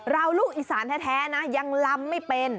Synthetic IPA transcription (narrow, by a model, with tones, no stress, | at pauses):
ɾa˧wluː˥˩k̚ʔiː˧˩saː˩˦nt̪ʰɛː˦˥˩t̪ʰɛː˦˥na˦˥ja˧ŋla˧mːa˥˩jpe˧n